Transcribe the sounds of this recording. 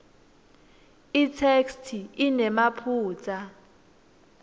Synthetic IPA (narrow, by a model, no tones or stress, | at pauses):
itʰekstʰiinɛmapʰuːt͡sʼa